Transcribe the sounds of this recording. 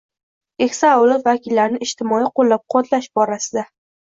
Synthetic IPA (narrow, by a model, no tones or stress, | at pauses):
e̞kʲsaawlˠɒt̪vakʲʰɪlːaɾnɪɪʃt̪ʰɪmɒjiqʰolːap̚qʰɒt̪ʰlaʃbɒɾasɪd̪a